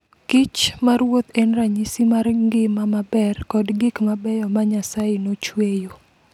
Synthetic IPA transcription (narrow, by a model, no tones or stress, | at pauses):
kɪt͡ʃmaɾwot̪ɛnraɲisimarɡɪmamabɛrkɔdɡɪkmabɛjɔmaɲasajenot͡ʃwejo